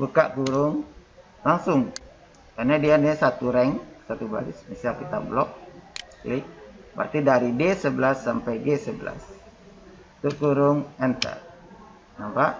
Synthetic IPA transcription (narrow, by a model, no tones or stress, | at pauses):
buka̰ʔɡuɾʊŋ | laŋsʊŋ | kanadianɛsat̪uɾɛŋsat̪uba̰ɾɪsmisialkit̪a̰blɔk̚ | lɪpa̰rt̪idaɾidesəbəlasːampajɡesəbəla̰s | t̪uʔɡuɾʊŋɛnt̪ə̰ | nampaʔ